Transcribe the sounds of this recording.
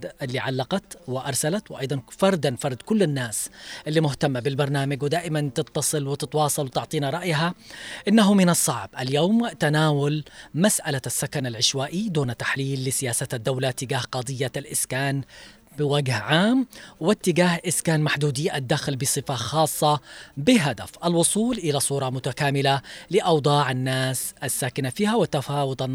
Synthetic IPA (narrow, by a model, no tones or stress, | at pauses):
ɪlːiʕalːɑqɑt̪wɪʔɑ̰ɾˤsalat̪wʔɑ̰jd̪ˤɑnfɑɾˤd̪anfɑɾˤd̪kʊlːanːaːsʔɪlːimʊht̪amːabɪlbɑɾˤnaːmaɡwɪd̪aːʔɪmant̪ɪt̪ːɑsˤɨlwɪt̪ɪt̪wɑːsˤɑlwɪt̪ɪʕt̪ˤiːnɑɾˤɑʔjɦaʔɪnːaɦʊmɪnɑsˤːɑʕbʔaljoːmt̪anaːwʊlmasʔalasːakanalʕɪʃwaːʔid̪uːnat̪ːḁħliːlːɪsɪjaːsat̪ad̪ːawlat̪ːɪɡaːhqɑd̪ˤɪjːalʔɪskaːn | bɪwaɡhʕaːmwɪt̪ːɪɡaːhʔɪskaːnmaħd̪uːd̪iʔad̪ːaːxɪlbɪsˤɨfaxɑːsˤːɑbɪɦad̪afʔalwʊsˤuːlʔɪlasˤuːɾˤɑmʊt̪akaːmɪlalɪʔɑwd̪ˤɑːʕanːaːsʔasːaːkɪnafiːhawɪt̪ːafɑːwʊd̪ˤɑnː